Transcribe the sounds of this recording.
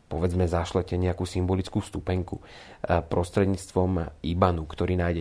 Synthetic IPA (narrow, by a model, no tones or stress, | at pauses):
pɔʋɛd͡zmɛzaʃlɛcɛɲɛakuːsimbɔlit͡skuːst̪upɛŋku | pɾɔst̪ɾɛd̪ɲiːt͡st̪ʋɔmibanukt̪ɔɾiːnajɟɛ